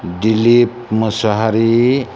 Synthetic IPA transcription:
ɖilip̚məsaɦaɾi

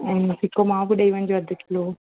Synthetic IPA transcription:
ɛ̃ːnɪsɪkomãːbɪɗɐiʋə̃nɪ̃̆d͡ʑoɐd̪ʱɪkʰɪlo

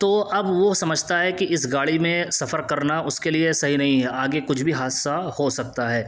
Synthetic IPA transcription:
t̪oːʔɐbʋosɐməd͡ʒʱt̪aɦɛkiɪsɡaːɭimẽsɐfəɾkɐɾnaʔʊskeliesɐɦinɐɦĩɦɛaːɡekʊt͡ʃʰbʱiɦaːsahosɐk̚t̪aɦɛː

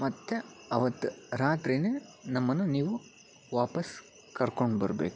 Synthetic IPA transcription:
mɐt̪ːeɐʋɐt̪ːɾaːt̪ɾineːnɐmːɐnːuniːʋu | ʋaːpɐs | kɐɾkoɳɖbɐ̰ɾɐbḛːku̥

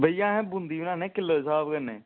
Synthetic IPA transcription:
bəijãːɦɛ̃ːbʊnd̪iːʊnãːnɛ̃ːkɪlːəsaːbkənːɛ̰̃ː

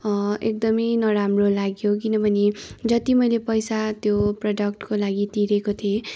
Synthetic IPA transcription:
ek̚d̪ʌmʌjnʌɾamrolaɡjok̬inʌbʱʌned͡zʌt̪imʌjlepʌjsat̪joprʌɖʌk̚ʈkolaɡit̪iɾekot̪ʰie

